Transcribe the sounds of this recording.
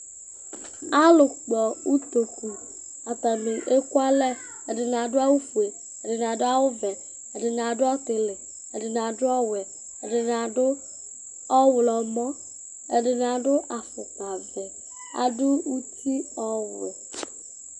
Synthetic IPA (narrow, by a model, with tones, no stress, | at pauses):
a˦lʊ˨k͡pɔ˨u˦t̪o˨ku˨ | a˨t̪a˨mɪ˨ʔe˦kwa˦lɛ˦ | ɛ˨dɪ˨n˨a˨dʊ˦a˦wu˦fu˨e˨ | ɛ˨dɪ˨n˨a˨dʊ˦a˦wʊ˦vɛ˨ | ɛ˨dɪ˨n˨a˨dʊ˦ɔ˦tɪ˨lɪ˨ | ɛ˨dɪ˨n˨a˨dʊ˦ɔ˦wɛ˨ | ɛ˨dɪ˨n˨a˨dʊ˦ | ɔ˦wʊ˨lɔ˨mɔ˦ | ɛ˨dɪ˨n˨a˨dʊ˦ʔa˨fʊ˨ta˨vɛ˨ | a̰˨dʊ˦u˦ti˦ɔ˦wḛ˨